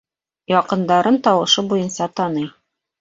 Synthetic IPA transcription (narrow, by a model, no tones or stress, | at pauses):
jɑqɤ̆nd̪ɑɾɤnt̪ɒwɤ̆ʃɤbujɤnsɑt̪ɑnɤj